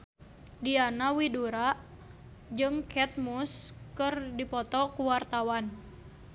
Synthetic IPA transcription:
dianawiduɾaʔ | d͡ʒɨŋkʰɛt̪̚muskɨrdipɔt̪ɔkuwart̪awan

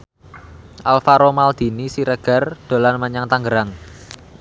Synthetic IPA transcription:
ʔalfaɾomald̪̥i̤nisiɾəɡ̥a̤rd̪̥o̤lanməɲaŋt̪aŋɡəɾaŋ

